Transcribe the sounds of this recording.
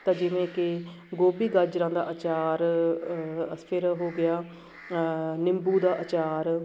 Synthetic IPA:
t̪ãːd͡ʒɪʋẽːkɪ | ɡoːbiːɡəɾd͡ʒɾãːd̪a̰ːʔət͡ʃaːɾ | əspʰɪɾɦoːɡɪjaː | nɪmbuːd̪aːʔət͡ʃaːɾ

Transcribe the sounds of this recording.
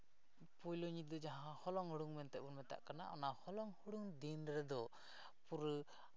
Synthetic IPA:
pujlɔɲid̪ɔd͡ʒaɦãhɔlɔŋuɽuŋmɛnt̪ɛʔbɔnmɛt̪a̰ʔkana̰ʔɔnahɔlɔŋhuɽuŋd̪inɾɛd̪ɔ | puɾ

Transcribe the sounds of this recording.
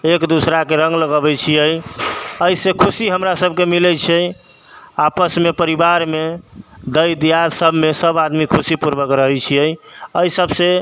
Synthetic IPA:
ekd̪usɾakeɾə̃ŋɡləɡəbɛt͡ʃʰijəjəisekʰusiɦəmɾasəb̚ʱkemilɛt͡ʃʰɛ | apəsmepəɾibaɾmed̪əjd̪ijaɾsəbʱmesəbad̪mikʰusipuɾbəkɾəɦɛjt͡ʃʰijəjəisəbse

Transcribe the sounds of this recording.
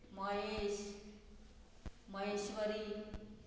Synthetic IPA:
mʌes | mʌɦeswʌɾi

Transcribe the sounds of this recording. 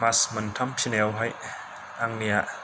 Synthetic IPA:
masmɐnt̪ʰɐmpʰinɛwɦaj | aŋniaʔ

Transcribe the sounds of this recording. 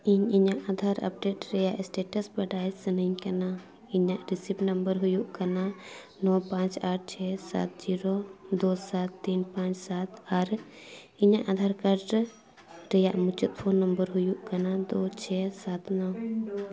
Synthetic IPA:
iɲiɲãʔad̪ʱaɾɐ̰p̚ɖeʈɾɛjaʔsʈeːʈəsbɐɖaːjsɐnəɲkɐna | iɲaʔɾisipnɐmbəɾɦujuʔkɐna | nɔpãt͡ʃaːʈ̚ʰt͡ʃʰɛsa̰ːt̪̚d͡ʒiɾɔd̪osat̪ːiːnpãt͡ʃsat̪aɾ | iɲãʔad̪ʱaːɾkəɖ | ɾɛjaʔmut͡ʃut̪̚pʰoːnːɐmbəɾɦujuʔkɐnad̪oːt͡ʃʰɛsat̪nɔw

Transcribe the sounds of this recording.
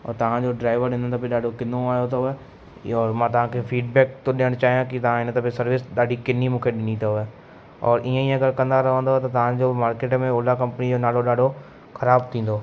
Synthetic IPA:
ɔ̰ːɾt̪ɐʋ̤ãd͡ʑoɖɾaːɪʋəɾɗɪ̃ndənt̪opeɗaːɖʱokɪnoaːjot̪oɛ | ɔːɾmãːt̪ɐʋ̤ãkʰefʰiːɖbɛːk̚t̪õɗɪəɽ̃t͡ɕaːɦijãkɪt̪ɐʋ̤ãɪnət̪apesɐɾʋɪsɗaːɖʱikɪnimũːkʰeɗɪnit̪aɛː | ɔ̰ːɾʔiːẽiːẽɐɡəɾkɐ̃nd̪aɾɐʋə̃nd̪oɦɛt̪ɐt̪ɐʋ̤ãd͡ʑomaːɾkeːʈmẽoːlakɐ̃mpənid͡ʑoːnaːloɗaːɖʱo | xʰɐɾaːb̚t̪ʰĩːn̆d̪oː

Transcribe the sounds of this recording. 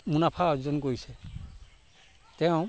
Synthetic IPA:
munapʰaɔzizɔnkoisɛ | tɛʊ̃

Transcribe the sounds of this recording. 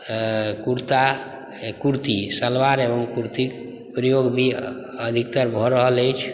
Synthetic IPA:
kuɾt̪a | kuɾt̪isəlʋaɾeʋəmkuɾt̪ik | pɾəjoɡbʱi | əd̪ʱikt̪əɾbʱɔɾəɦələjt͡ʃʰ

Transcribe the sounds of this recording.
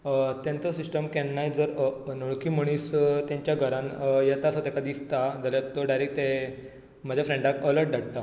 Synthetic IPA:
t̪jãnt͡sɔsisʈəmkɛːajd͡zəɾnoɭkiːm̤əɽ̃ist̪jãɲt͡ɕjaɡʱəɾãnjɛt̪asət̪ɛkad̪ist̪ad͡zaljat̪ːɔɖajɾekt̪e | m̤əd͡ʑʱjafɾẽɳɖakələɾʈ̚ɖaɽt̪a

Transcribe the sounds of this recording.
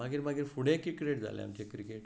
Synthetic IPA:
aɡiːɾmaɡiːɾfuɽẽkikɾeʈ̚d͡zʱa̰lḛa̰mt͡ɕekɾikeʈ

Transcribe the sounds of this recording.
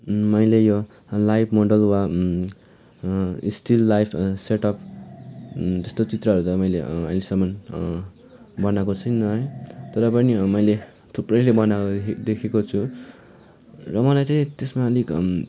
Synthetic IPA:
mʌjlejo | lajpʰmoɖʌlwa | isʈilːajpʰseʈʌp̚ʰ | t̪ʌst̪ot͡sit̪rʌʌɾut̪ʌmʌjleʌ̰jlesʌmːʌn | bʌnakot͡sʰʌjnʌɦʌjt̪ʌɾʌpʌnimʌjle | t̪ʰuprʌjlebʌnaod̪ekʰekot͡sʰu | rʌmʌlajt͡saĩt̪esmalik

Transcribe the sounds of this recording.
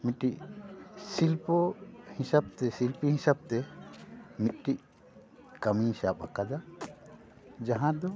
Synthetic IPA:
miʈiʔ | silpɔhĩsab̚t̪ɛsilpihĩsab̚t̪ɛ | mit̪̚ʈiʔ | kamisapha̰kad̪a | d͡ʒaɦãd̪ɔ

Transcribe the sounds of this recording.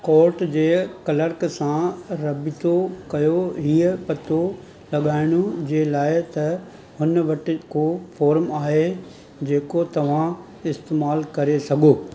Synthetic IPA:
kɔːɾʈd͡ʑeːkɐləɾksãɾɐbɪt̪okɐjoɦiːəpɐt̪o | lɐɠaːɪɽ̃od͡ʑeːlaːɪt̪ɐ | ɦʊnʋɐʈɪkofɔːɾmaːɦe | d͡ʑeːkot̪ɐʋ̤ã | ɪst̪eːmaːlkɐɾesɐɠʱoː

